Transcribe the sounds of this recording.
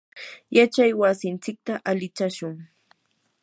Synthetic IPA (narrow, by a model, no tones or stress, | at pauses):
jat͡ʃajwasɪnt͡sɪk̚t̪aʔalɪt͡ʃaʃʊŋ